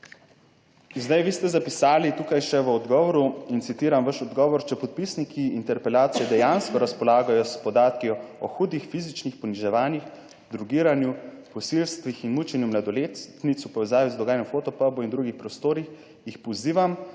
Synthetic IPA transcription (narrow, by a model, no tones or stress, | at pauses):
zd̪ajʋiːst̪ɛzapisaːlit̪ukajʃɛʋəɔd̪ɡɔːʋɔɾuint̪sit̪iːɾamʋaʃɔd̪ɡɔːʋɔɾt͡ʃɛpɔt̪̚pisnikʰiint̪ɛɾpɛlaːt̪sijɛd̪ɛjanskɔɾaspɔlaːɡajɔspɔd̪aːt̪kiɔɔ̰xuːd̪ixfizit͡ʃnixpɔniʒɛʋaːnix | d̪ɾuɡiːɾanju | pɔsilst̪ʋixinmut͡ʃɛnjumlad̪ɔleːt̪nit̪supɔʋɛzaːʋizd̪ɔɡaːjanɔmfoːt̪ɔpabɔind̪ɾuɡixpɾɔst̪oːɾix | jixpɔziːʋam